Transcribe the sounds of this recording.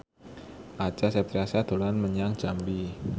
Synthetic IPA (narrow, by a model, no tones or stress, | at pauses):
ʔat͡ʃasɛpɾiasad̪̥o̤lanməɲaŋ̥d͡ʒ̥ambi